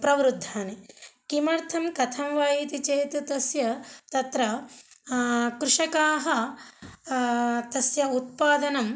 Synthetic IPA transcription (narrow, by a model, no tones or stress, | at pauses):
pɾɐʋɾud̪ʱːaːnekimɐɾt̪ʰɐmkɐt̪ʰɐmʋaːjiːt̪it͡ʃeːt̪ut̪ɐsjɐt̪ɐt̪ɾɐ | kɾuʂɐkaːɦɐ̆ | t̪ɐsjɐut̪̚paːd̪ɐnɐm